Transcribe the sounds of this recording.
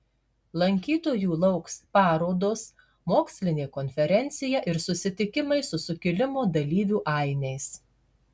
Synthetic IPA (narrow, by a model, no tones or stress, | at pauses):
lˠɐŋʲkʲiːt̪oːjuːlˠɒʊkspɑːɾoːd̪oːs | moːksʲlʲɪnʲeːkɔnʲfʲɛɾʲɛnʲt̪sʲɪjɛʔɪɾsʊsʲɪt̪ʲɪkʲɪmɐɪsʊsʊkʲɪlʲɪmoːd̪ɐlʲiːʋʲuːʔɐˑɪnʲɛɪs